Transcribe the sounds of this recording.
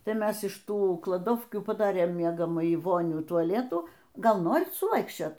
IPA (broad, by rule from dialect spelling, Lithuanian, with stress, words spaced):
ˈtɐɪ ˈmʲɛs ɪʃ ˈtuː klˠɐˈdoːwkʲuː pɐˈdɑːrʲeːm ˈmʲiɛɡɐmɑːjiː ˈʋoːnʲuː tʊɐˈlʲæːtuː ˈɡɐlˠ ˈnoːrʲɪt sʊˈʋɐɪkʃʲt͡ʃʲoːt